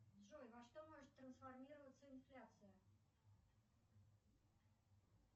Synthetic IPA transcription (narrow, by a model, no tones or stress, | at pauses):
ʐojvɐʂt̪omɔʐɨt̪ːɾənsfarmʲiɾəvət̪sːəinflʲat̪sɨjə